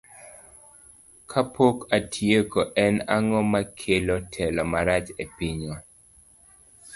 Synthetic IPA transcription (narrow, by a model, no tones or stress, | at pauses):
kʰapʰokatʰjekoʔɛnaŋɔmakʰelotʰɛlɔmaɾat͡ʃepiɲɔ